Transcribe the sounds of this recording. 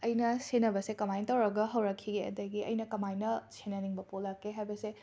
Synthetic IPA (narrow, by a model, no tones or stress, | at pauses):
ɐjnɐsenɐbɐsekɐmajntɐwɾɐɡɐɦɐwɾɐkʰːiɡeɐ̰dɐɡiɐ̰jnɐkɐmajnɐsenɐniŋbɐpolːɐkʰːeɦajbɐse